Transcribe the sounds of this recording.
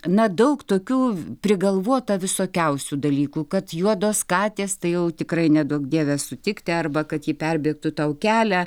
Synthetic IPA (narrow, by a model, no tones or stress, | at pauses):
nɐd̪ɐʊkt̪oːkʲuːpʲɾʲɪɡɐlˠʋuɔt̪ɐʋʲɪsoːkʲɛʊsʲuːd̪ɐlʲiːkuːkɐt̪juɔd̪oːskɑːt̪ʲeːst̪ɐɪjɛʊt̪ʲɪkrɐɪnʲɛd̪uɔkd̪ʲiɛʋʲæssʊt̪ʲɪkt̪ʲɪɐrbɐkɐt̪jiːpʲɛrʲbʲiɛk̚t̪ʊt̪ɐʊkʲæːlʲæː